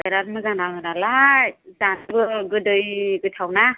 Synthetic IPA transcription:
ajɾaɾmɯzanawɯnalazanbɯɡɯdɯjɡɯtʰawna

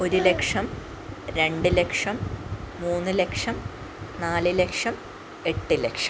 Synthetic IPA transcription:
o̞ɾule̞kʂɐm | ɾe̞ɳɖɨle̞kʂɐmːuːnːɨle̞kʂɐm | naːlɨlekʂɐm | e̞ʈːɨlekʂɐ̥m

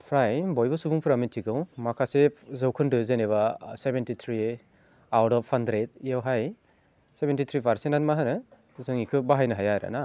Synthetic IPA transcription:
pʰɾajbɔjbɯsubuŋpʰɯɾamitʰiɡɯwmakʰasezɯwkʰɯndɯzeneβasebentit̪ʰɾi | awtɔpʰːandɾet̚ijawɦaj | sebentit̪ʰɾipʰaɾsenanmaɦanɯ | zɯŋikʰɯbaɦajnɯɦajajɾa̰na

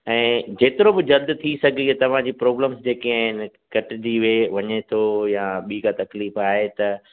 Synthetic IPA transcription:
ɛ̃ːd͡ʑeːt̪ɪɾobɪd͡ʑɐld̪t̪ʰisɐɡ̪ʱiɦet̪ɐʋ̤ãd͡ʑiːpɾoːbləmsd͡ʑeːkiaːɦɪnɪ | kɐʈɪd͡ʑiʋeʋɐɲet̪ʰojaɓiːkat̪ɐkliːfaːɦet̪ɐ

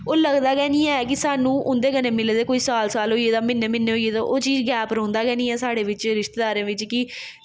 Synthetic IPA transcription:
oːləɡd̪aːɡɛːnĩːɛːk̬ɪsaːnũːʔʊnd̪eːkəneːmɪld̪eːkoːiːsaːlsaːlɦoːieːt̪aːmɪnːẽːmɪnːeːɦoːieːt̪ãːʔoːt͡ʃiːd͡ʒɡɛːpɾõːnd̪aːɡɛːnĩːɛːsaːɽeːʋɪt͡ʃɾɪʃt̪eːd̪aːɾẽːʋɪt͡ʃkɪ

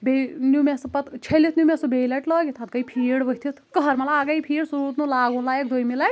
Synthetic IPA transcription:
benjumespɐt̪t͡ʃʰelit̪ʰnjumesubejleʈləɡit̪ʰɐt̪̚kɐjpʰiɽbəɦt̪ʰit̪ʰkəɦɐɾmelaɡajpʰiːɽsuɾuːt̪nulaːɡũlaek̚d̪ojmilaʈ

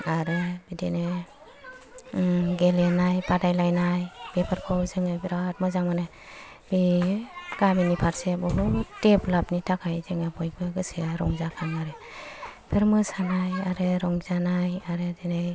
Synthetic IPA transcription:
aɾɯbidenɯ | ɡelenajpadajlajnajb̥epʰaɾkʰɔwzɯŋɯbiɾat̚mɯzaŋmanɯ | b̥i | ɡ̥aminipʰaɾsebɔɦuteplapnitʰakʰajzɯŋabʰɔj̚bɯɡɯsɯɾɔŋzakʰanmaɾɯ | pʰeɾmɯsanajaɾɯɾɔŋzanajaɾɯdenɯj

